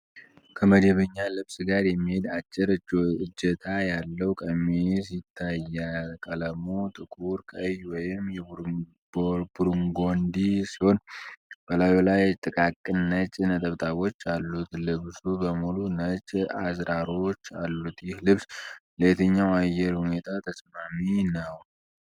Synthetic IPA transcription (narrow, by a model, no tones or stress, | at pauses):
kʰəməd͡ʒɛβəɲːalɨβsɡaɾjɛmːihe̞d̪at͡ʃʼːɪɾɨd͡ʒːɛt̪ʰajalːəwkʼəmes̬it̪ʰːajakʼələmut̪ʼɨkʼuɾkʼəjwɔjɪmjɛ | buɾuŋɡo̞nd̪isiho̞nb̥əlajolajt̪ʼɨkʼakʼːɨnːət͡ʃʼnət̪ʼəβt̪ʼʰaβo̞t͡ʃːalːut̪lɨβsubəmulunət͡ʃʼazɾaɾo̞t͡ʃːalːut̪jɪhlɨβslet̪ʰəɲːawajːɛɾhune̞t̪ʰat̪ʰəsmaminəw